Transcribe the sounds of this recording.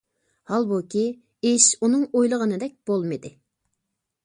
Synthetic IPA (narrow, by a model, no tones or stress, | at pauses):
hɑlˠbukʲi | eʃunɨŋojlˠəʁənɨd̪ɛk̚ʲb̥olˠmɨd̪ɪ